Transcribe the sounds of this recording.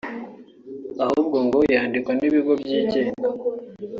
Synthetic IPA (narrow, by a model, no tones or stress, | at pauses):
ahubɡoŋɡojaːndikwaniβiɡo̞bjiːceːna